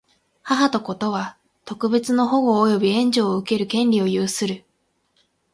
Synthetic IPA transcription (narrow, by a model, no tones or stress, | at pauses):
haɦat̪o̞ko̞t̪o̞β̞a | t̪o̞kɯ̟be̞t͡sɨno̞ɦo̞ɡo̞ːjo̞bʲiẽ̞ɲ̟d͡ʑo̞ːɯ̟ke̞ɾɯ̟kẽ̞nɾʲio̞jɯːsɨɾɯ̟